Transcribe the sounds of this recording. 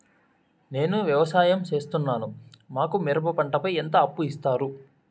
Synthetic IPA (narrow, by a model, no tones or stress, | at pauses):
ne̞ːnuʋjɐʋɐsaːjɐmt͡ʃe̞ːst̪unːaːnumaːkumiɾɐpɐpɐɳʈɐpɐjent̪ɐːpːuist̪aːɾu